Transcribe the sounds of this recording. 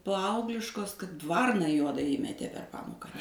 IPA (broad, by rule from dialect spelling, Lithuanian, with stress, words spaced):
ˈpɐɐʊɡlʲɪʃkoːs kɐt ˈʋɐrnɐ ˈjuɔdɐ ˈiːmʲɛtʲeː pʲɛr ˈpɑːmoːkɐ